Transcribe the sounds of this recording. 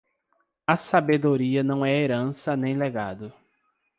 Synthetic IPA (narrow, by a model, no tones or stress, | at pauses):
ɐsabed̪oɾiɐnɐ̃w̃ɛeɾɐ̃sɐnẽj̃leɡad̪ʊ